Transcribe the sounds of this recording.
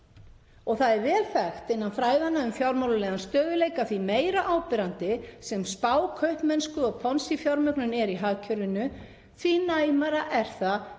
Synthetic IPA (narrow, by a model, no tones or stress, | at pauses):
ɔɣθaðɛɾvɛːlfɛxt̪ɪnːanfɾaːjðanːaʏmfjawɾmawlʏlɛːɣanst̪œːðʏleːjkaθvimeːjɾaʔaːwpɪɾant̪ɪsɛmspaːwkʰœɥhpnmɛnskʏɔɣpʰɔnsifjɔɾmʏknʏnɛɾiɦaːcʰœɾɪnʏ | θvinaːjmaɾaʔɛɾ̥θa